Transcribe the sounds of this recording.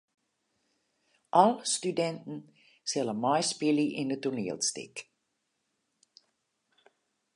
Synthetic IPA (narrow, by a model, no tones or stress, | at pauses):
ʔɑlˠstydɛntn̩ | sɛləmɑjspɪliʔɪndətuniəlˠstɪ̰k